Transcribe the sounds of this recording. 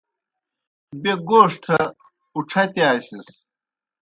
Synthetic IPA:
beɡoːʂʈʰɐ | uʈ͡ʂʰɐt̪aːɕis

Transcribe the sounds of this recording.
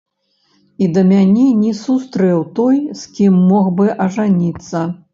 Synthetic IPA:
id̪ɐmʲanʲɛnʲɛsust̪ɾɛwt̪ɔjskʲimːɔxbɨʔɐʐanʲit̪sːɐ

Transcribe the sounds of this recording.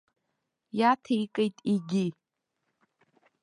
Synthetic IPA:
jatʰaikʼejtʼiɡʲi

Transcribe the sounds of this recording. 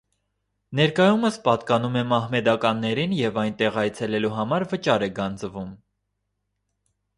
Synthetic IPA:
nɛɾkɑjuməspɑt̪kɑnumɛmɑhmɛd̪ɑkɑnːɛɾinjɛvɑjnt̪ɛʁɑjt͡sʰɛlɛluɦɑmɑɾvət͡ʃɑɾɛɡɑnd͡zəvum

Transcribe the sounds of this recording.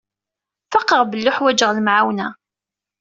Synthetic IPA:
fɑqːəʁbəlːʊħwæd͡ʒəʁlmʕawnæ

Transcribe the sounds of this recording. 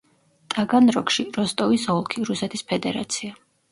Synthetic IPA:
t̪ʼaɡanɾɔkʃiɾɔst̪ʼɔvisɔlˠkʰiɾusɛt̪ʰispʰɛd̪ɛɾa̰t̪sʰia

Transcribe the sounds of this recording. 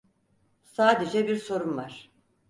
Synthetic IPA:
saːd̪e̞d͡ʒɛbiɾso̞ɾunvaɾ̝̥

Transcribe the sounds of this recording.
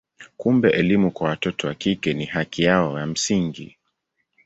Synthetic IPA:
kumbɛʔɛlimukwawatɔtɔwakikɛnihakijaɔjam̩siŋɡḭ

